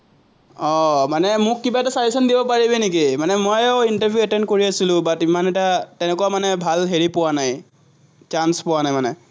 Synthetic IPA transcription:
ɔmanɛmʊkːibaɛtasaɹisɔndibɔpaɹibɛnik̬imanɛmojɛʊintaɹbʱjuɛtɛndkoɹiasilʊ̃batimanɛtatɛnɛkuwamanɛbʱalɦeɹipʊwanaj | t͡ʃanspʊwanajmanɛ

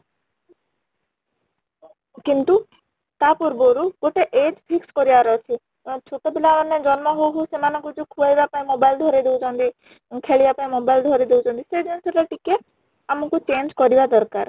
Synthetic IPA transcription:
kint̪u | t̪apuɾbɔɾuɡoʈeʔed͡ʒpʰikskɔɾiaɾɔt͡ʃʰi | t͡ʃʰot̪ɔbilaɔnːed͡ʒɔnmɔɦoɦusemanɔ̃ŋkud͡ʒukʰubajbapaĩmobajld̪ʱɔɾid̪eud͡ʒɔ̃nt̪i | kʰeɭibapaĩmobajld̪ʱɔɾid̪ewd͡ʒʰɔ̃nt̪ised̪iseɾaʈike | amɔkut͡ʃend͡ʒkɔɾibad̪ɔɾkaɾ

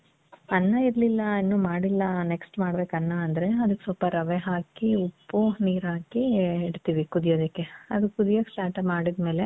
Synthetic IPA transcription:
ɐnːɐiɾlilːɐinːuːmaːɽilːɐneksʈmaːɽɐbeːkɐnːɐːnd̪ɐɾe̞ɐd̪ukːe̥sɔlpɐɾɐʋeɦaːkiupːuniːɾɦaːkiːɽt̪iːʋikud̪ijoːd̪ɐkːeɐd̪ukud̪ijoːɡslaːʈɐmaːɽid̪me̞ːle̞

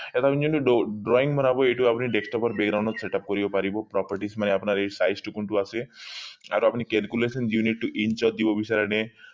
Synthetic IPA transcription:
et̪apnid͡ʒent̪uɖɖɾɔiŋbʱɔnabɔeʈuapniɖeksʈɔpɔɾbeɡɾawɳɖɔt̪seʈap̚kɔɾibopaɾibɔpɾɔpəɾʈismaneapnaɾesajsʈukuɳʈuase | a̰ɾuapnikɛlkjulesɔnjuniʈːuʔint͡ʃɔd̪ibɔbisaɾene

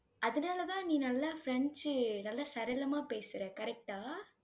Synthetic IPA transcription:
ʔɐðɯnaːlɐt̪ãːnĩːnɐlːaːfɪɾɛɳt͡ʃnɐlːaːsɐɾɛlɐmaːpeːsɪɾɛ̃kɐɾɛk̚ʈaː

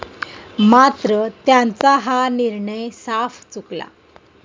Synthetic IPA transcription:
mat̪ɾət̪jant͡saɦaniɾɳəjsaft͡sukla̰

